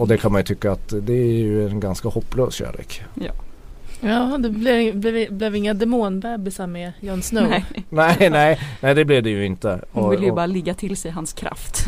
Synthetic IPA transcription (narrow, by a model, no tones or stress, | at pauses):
ɔd̪ɛkʰanmanjɵt̪ʰʏkːaːt̪d̪ɛææjɵɛnɡanskahɔpːløːsɕæ̰ːlḛːkː | jɑːd̪ɛblɛvblɛvblɛvɪŋːad̪ɛmoːnbɛːbɪsaɾmɛjɑːnsnœnɛnɛɪnɛɪd̪ɛblɛvd̪ɛjɵɪnt̪əɔɪlːjbɑːɾalɪɡːat̪ʰɪlsɛjɦanskʰɾa̰ft̪